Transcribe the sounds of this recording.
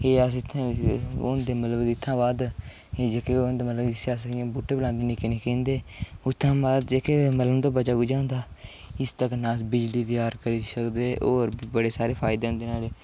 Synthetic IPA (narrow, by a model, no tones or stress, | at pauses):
eːasɪt̪ʰːãʊ̰nd̪eːmət̪ləbɪt̪ʰːãːbaːd̪ | eːd͡ʒekeːʊnd̪eːmət̪ləbɪseaːsəkːãːbuːʈʰːeːbəlãːnd̪eːniːkɪneːkẽːnd̪eːʊt̪ʰːãːbaːd̪d͡ʒeːkeːmət̪ləmt̪oːbət͡ʃaːɡud͡ʒãːnd̪aːɪst̪əknaːsbɪd͡ʒliːt̪ɪjaːɾkəɾiːsəkd̪eːʔoːɾbəɽeːsaːɾeːpʰaːɪd̪eːɦʊ̃nd̪eːnaːleː